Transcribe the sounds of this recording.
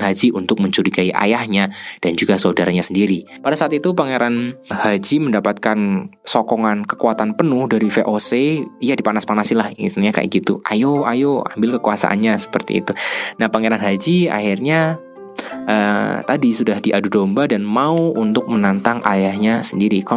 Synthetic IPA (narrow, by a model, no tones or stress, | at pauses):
ɦad͡ʒiʔunt̪ʊk̚məɲt͡ʃuɾiɡaiʔa̰jahɲad̥and͡ʒuɡasaudaɾaɲasəndiɾipadasaːt̪it̪upəŋeɾanhad͡ʒiməndapat̪̚kansɔkɔŋankə̥kuat̪anpənʊhdaɾifeʔosejadipanaspanasilahɲaka̰j̰ɡit̪ṵʔa̰joajoa̰mbɪlkəkuasa̰ʔa̰nɲasə̥pərt̪ḭːt̪unahpəŋeɾanɦad͡ʒia̰hirɲa | ʔət̪adisudahdiʔadudombadanmauunt̪ʊk̚mənant̪aŋʔa̰jahɲasəndiɾika